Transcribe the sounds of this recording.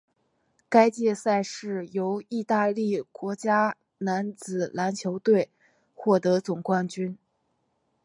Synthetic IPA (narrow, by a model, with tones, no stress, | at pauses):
ka˥ɪt͡ɕjɛ˥˧sa˥˧ɪʂɻ̩˥˩jo˧˥ʊi˥˧t̪a˥˧li˥˩kwɔ˧˥t͡ɕja˥ | na˧˥nt͡sɹ̩˨˩la˧˥nt͡ɕʰjo˧˥ʊt̪we˥˩ɪ | xwɔ˥˩t̪ɤ˧˥t͡sʊ˨˩ŋkwa˥˩nt͡ɕy˥n